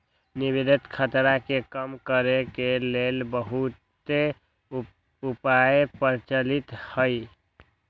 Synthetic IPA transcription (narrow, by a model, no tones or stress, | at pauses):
nibid̪ət̪kʰət̪ɾakekəmkəɾekelelbəɦut̪ | e | upajepəɾt͡ʃəlit̪həj